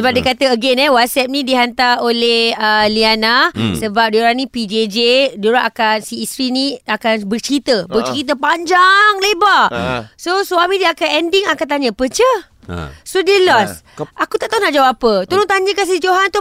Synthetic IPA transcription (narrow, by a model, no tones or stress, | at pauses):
səbap̚dikat̪əəɡɛnɛwat̪̚sɛp̚nĩdiɦant̪aolehəlianasəbap̚doɾanĩpid͡ʒed͡ʒedoɾaʔakansiːst̪ɾiniakanbərt͡ʃəɾit̪əbərt͡ʃəɾit̪̬əpaɲd͡ʒaŋlebasoswamĩdiakanɛndiŋakant̪̬aɲə̃əpət͡ʃə̰ | sodiəlɔs | ʔakut̪aʔt̪aɦunaʔd͡ʒawapət̪uɾʊnt̪aɲəkans̬id͡ʒoɦant̪u